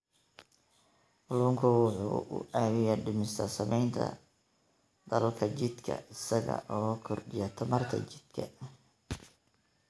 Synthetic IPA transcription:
ʔʊluːŋkʰʊwʊħṵːʊ̰aːwɪjaɖɪmɪst̪ʰɐsɐmɛjnt̪ʰɐ̰ | d̪ɐlɐlkʰɐt͡ʃɪd̪kʰɐ̰ɪsɐɣɐ̰ʔɔːkʰɔrɖɪjɐt̪ʰɐmɐrt̪ʰɐ̰t͡ʃɪd̪̥kʰɐ

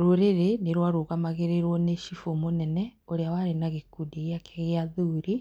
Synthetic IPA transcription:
ɾoɾeɾeneɾwaɾoɣamaɣeɾeɾwɔneʃifomonɛnɛoɾeawaɾenaɣekudiɣjakʰeɣeaðuɾi

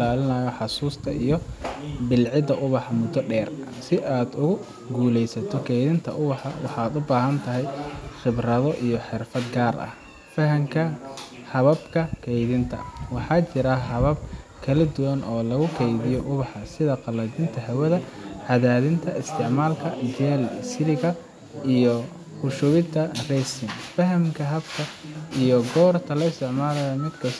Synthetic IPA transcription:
laːlɪnɐːjɔħɑsuːst̪ʰɐʔijɞbɪlʕɪd̪ɐʔʊβɑħɑmʊd̪ɔɖɛːrɐsɪʔaːd̪ʊʊ | ɡuːlɛjsɐt̪ʰɔkʰɛjðɪnt̪ʰɐ̰ʔʊβɑħɑwɑħɑːd̪ʊbaːɦɐnt̪ʰɐɦɛjχɪbrɐðɔʔijɔħɪrfɐd̪ɡaːrʔɐ̰h | fɐɦɐŋkʰɐ | hɐβɐbkʰɐkʰɛjðɪnt̪ʰɐ̰wɑħɑːt͡ʃɪɾɐɦɐβɐb̚kʰɐlɐd̪ʊwɐnʔɔːlɐɣʊkʰɛjðɪjɔʔʊβɑħɑsɪðɐqɑlɐdɪnt̪ʰɐɦɐwɐðɐʕɑðaːðɪnt̪ʰɐɪst̪ʰɪʕmaːlkʰɐd͡ʒɛːlsɪlɪɣɐ | ijɔ | hʊʃʊβɪnt̪ʰɐrɛjsɪŋfɐɦɐmkʰɐɦɐbkʰɐijɔɡɔːrt̪ʰɐlɐɪst̪ʰɪʕmaːlɐjɐmɪd̪kʰɐs

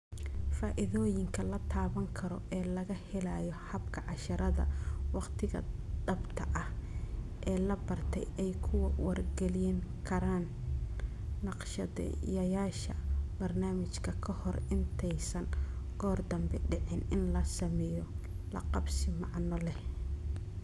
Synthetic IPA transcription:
faːʔɪðɔːjɪŋkʰɐlɐt̪ʰaːβɐŋkʰɐɾɔ̰ʔɛːlɐɣɐhɛlaːjɔhɐbkʰɐʕɑʃɐɾɐðɐ̰wɑqt̪ʰɪɣɐ̰d̪ɐbt̪ʰɐʔɐh | ʔɛːlɐbɐrt̪ʰɛ̰jɛjkʰʊwɐwɐrɡɛlɪjɛŋkʰɐɾaːn | ɑqʃɐðɛ̰jɐjaːʃɐ̰bɐrnaːmɪt͡ʃkʰɐkʰɐhɔrɪnt̪ʰɛjsɐnɡɔːrd̪ɐmbɛɖɪʕɪnɪnlɐsɐmɛːjɔ | lɐ̰qɑbsɪmɑʕnɔlɛ

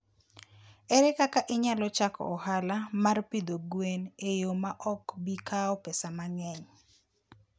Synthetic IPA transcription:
ɛɾɛkakaʔɪɲalɔt͡ʃakɔ̰ɔhalamarpid̪oɡwenejomaʔɔkbikʰaɔpesamaŋɛɲ

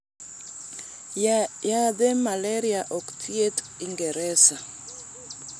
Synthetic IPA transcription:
jad̪ɛmaleɾiaʔɔkt̪jet | iŋɡɛɾɛsa

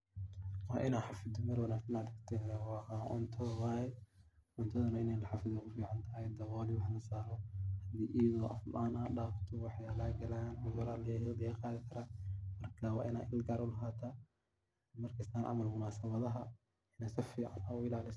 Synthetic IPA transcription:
wɑːʔɪnaːħɑfɪd̪ʊmɐɾwɐnaːɡsɐnɐd̪ɪkt̪ʰɛwɑːʔʊ̰nt̪ʰɔwajʔʊnt̪ʰɐðɐnɐɪnɛjlɐħɑfɪðɐkʰʊfiːʕant̪ʰaːjɐd̪ɐwɔːliwɑħalɐsaːɾɔhɐd̪iːʔijɐðɔːʔɐflʔaːnaːɖaːft̪ʰɔwɑħjaːlaːɡɐlaːnʊjʊɾaːlɐjɐd̪ɐjɐqɑːðɪkʰɐɾamɐrkʰɐwɑ̰ːʔɪna̰ːɪlɡaːɾʔʊlɐɦaːt̪ʰaː | mɐrkʰɐst̪aːnʔɑ̰mɐlmʊnaːsɐβɐðɐɦɐ | ɪnɛːsɐfiːʕa̰naːʊɪlaːlɪs

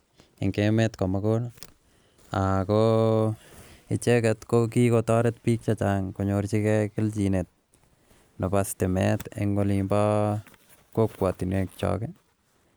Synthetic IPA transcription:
ɪ̰ŋkemɛtkɔmakona | a̰ko | ɪ̰t͡ʃɛkɛtkok̬ikotɔɾet̚pik̚t͡ʃat͡ʃaŋkoɲoɾt͡ʃikɛkɪlt͡ʃinet̚ | nɔpastɪmɛ̰tḛŋɡolimba | kokːwatinek̚t͡ʃɔ̰kɛ

